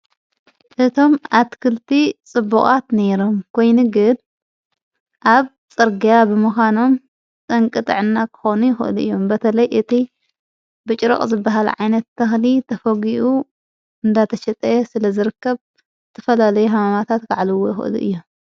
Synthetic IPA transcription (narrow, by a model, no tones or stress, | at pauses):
ʔɨt̪ʰo̞mat̪kʰɨlt̪ʰit͡sʼɨbːuχʼat̪ne̞ɾo̞mkʰo̞jnuɡɨn | ʔaβ | t͡sʼɨɾɡijabɨmɨxʷano̞m | t͡s̪ʼɐŋkʼɨt̪ʼɨ̰ʕɨnːakʰɨ̥xo̞nujɪxɨ̰ʔɨ̰luʔɨjːo̞mbɐt̪ʰɐlɐjʔɨt̪ʰi | bɨt͡ʃʼɾo̰χʼzɨbːaɦalʕa̰jnɐt̪ːɐxlit̪ʰɐfɐɡiʔu | ɨnd̪at̪ʰɐʃɐt̪ʼɐjesɨlɐzɨɾɨkːɐβ | zɨt̪ʰɐfɐlalɐjuɦamamat̪ʰat̪kaʕlɨwojɪxʔɨ̰lṵʔɨ̰jːom